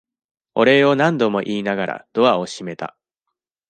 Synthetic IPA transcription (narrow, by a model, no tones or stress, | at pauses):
o̞ɾe̞o̞nãnd̪o̞mo̞ʔiːnaɡaɾʔa̰d̪̥o̞βao̞ɕime̞t̪a̰